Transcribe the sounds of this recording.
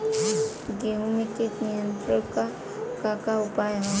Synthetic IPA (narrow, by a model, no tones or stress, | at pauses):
ɡeũmẽkenijə̃nt̪ɾəɾka | kakaʊpaːjɦõ